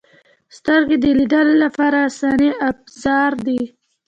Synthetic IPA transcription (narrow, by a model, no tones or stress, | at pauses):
st̪əɾɡed̪əlid̪əlolapɑɾasɑniabzɑɾd̪i